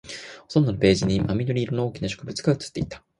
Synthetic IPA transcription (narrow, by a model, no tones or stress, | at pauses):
hot̪ond̪o̞nope̞ːʑiɲ̟imamʲid̪o̞ɾʲiːɾonooːkʲinaɕo̞kɯ̟bɯ̟t͡sɨ̥ɡaɯ̟t͡sɨ̥t̪ːeit̪ḁ